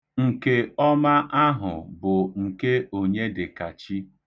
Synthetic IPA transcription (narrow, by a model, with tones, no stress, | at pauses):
ŋ̩˨ke˦ɔ˦ma˦ʔa˦ɦʊ̰˨bʊ˨ŋ̩˨ke˦o˨ɲe˦dɪ˨ka˨t͡ʃi˦